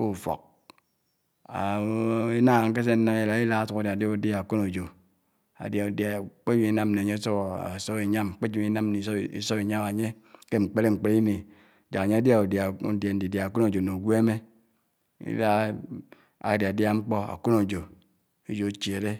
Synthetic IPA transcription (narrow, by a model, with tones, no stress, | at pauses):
o˦˨fo̰˨k̚ | a˨i˦na˦˨ŋ˦ke˦s̬e˦n̩˦na˦˨je˨la˨˦i˦la˦su˨ka˨da˨a˨da˦u˨dja˦˨a˨ku˦no˨d͡ʒo˨ | a̰˨dja˨dk͡pe˦d͡ʒi˦i˦na˦mne˨ɲe˦so˦˨a̰˨so˦i˨ɲa˦m˨k͡pe˦d͡ʒi˦na˦mni˨˦ḭ˦so˦bi˨ɲa˦ma˨ɲe˦ | ke˦ŋ͡m̩˨k͡pe˦le˦ŋ͡m̩˨k͡pe˨ɾi˦ni˨ | d͡ʒa˨ka˨ɲe˦a˦dja˦o˨da˨˦da˨n̩˨di˨dja˨a˨ku˦no˨d͡ʒo˨no˨ɡʷe˦me˦ | ḭ˦la˦ | a̰˨di˨a˨dja˦ŋ͡m̩˦k͡po˦a̰˨ku˦no˨d͡ʒo˨ | e˦d͡ʒo˨˦t͡ʃe˨ɾe˦